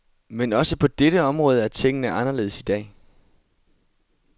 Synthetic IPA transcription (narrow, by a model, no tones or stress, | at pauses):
menɒ̽səpʰɒ̽d̥eɾəɒ̽mʁɔ̽ːð̞ˠæɐt͡sʰeŋ̰ənəʔɑ̈nɐle̝ːðˠsid̥ɛ̰ː